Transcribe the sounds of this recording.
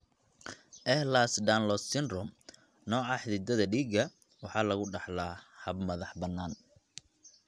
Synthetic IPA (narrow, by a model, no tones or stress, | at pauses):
ʔɛhlasɖ̪anlɔsɪnrʊm | nɔːʕɑħðɪd̪ɐðɐɖiːɡɐ | wɑħɑːlɐɣʊɖɑħlaːhɐbmɐðɑħbɐnːaːn